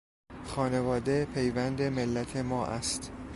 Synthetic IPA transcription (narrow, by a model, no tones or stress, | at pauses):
xɒːne̞vɒːd̪e̞pʰe̞jvænd̪e̞melːæt̪ʰemɒːʔæ̰st̪